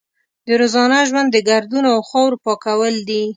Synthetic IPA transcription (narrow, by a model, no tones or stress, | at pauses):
d̪əɾozɑnaʒwand̪ːəɡaɾd̪unoawxɑwɾpɑkawəld̪i